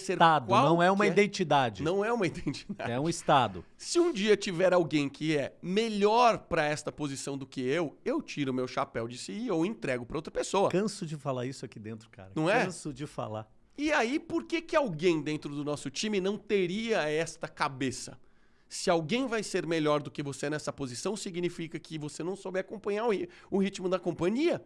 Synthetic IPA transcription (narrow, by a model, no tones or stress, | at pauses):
seɾad̪kʊawnɐ̃w̃ɛumɐid̪ẽt͡ʃid̪ad͡ʒɪnɐ̃w̃ɛũmɐid̪ẽnt͡ʃid̪a̰ɛũist̪ad̪ʊ̰ | sɪũd͡ʒiɐt͡ʃivɛɾawɡẽj̃kɪɛmeʎɔɾpɾɐɛst̪ɐpozisɐ̃w̃d̪ʊkɪewewt͡ʃiɾʊmewʃapɛwd͡ʒɪsiiowẽnt̪ɾɛɡʊpɾɐowt̪ɾɐ̥pesoɐkɐ̃sʊd͡ʒɪfala̰isʊakid̪ẽnt̪ɾʊka̰ɾɐnɐ̃w̃ɛɐ̃sʊd͡ʒɪfa̰la̰ | ɪaipoɾkekɪawɡẽj̃d̪ẽnt̪ɾʊd̪ʊnɔsʊt͡ʃĩmɪnɐ̃w̃t̪eɾiɐɛst̪ɐkabesɐ̰ | sɪawɡẽj̃vajseɾmeʎɔɾd̪ʊkɪvosenɛsɐpozisɐ̃w̃siɡnifikɐkɪvosenɐ̃w̃sobɪakõpɐ̃ɲaɾʊiʊhit͡ʃmʊd̪ɐkõpɐ̃ɲiɐ